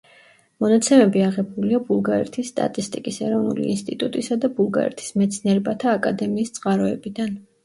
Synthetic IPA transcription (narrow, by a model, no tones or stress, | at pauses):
mɔnat̪sʰɛmɛbiaʁɛbuliabulˠɡaɾɛ̰t̪ʰisːt̪ʼa̰t̪ʼist̪ʼikʼisɛɾɔvnṵlḭːnst̪ʼit̪ʼut̪ʼisad̪abulˠɡa̰ɾɛ̰t̪ʰi̥smɛt̪sʰniɛɾɛbat̪ʰaːkʼad̪ɛmiːst̪sʼqʼaɾɔɛbid̪an